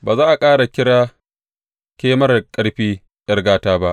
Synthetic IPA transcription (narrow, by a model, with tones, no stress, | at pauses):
baː˨zaː˦ʔa˨kʼaː˦ɽa˨kʲɪ˦ɽaː˦ | kʲeː˦mɐ˦rkʼɐ˦ɽɸiː˦ | jɐ˦rɡaː˦taː˦ba˦ʔ